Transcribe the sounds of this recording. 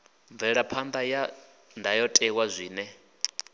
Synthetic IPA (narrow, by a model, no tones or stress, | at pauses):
ɱvɛɺapʰand̪aja | ndʱajɔtʼɛwazʷiːnɛ